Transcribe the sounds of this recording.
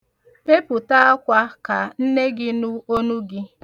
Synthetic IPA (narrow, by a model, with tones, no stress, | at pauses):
pe˦pʊ˨ta˦a˦kʷa˦ka˨n̩˦ne˦ɡɪ˦nʊ˦o˦nu˦ɡɪ˦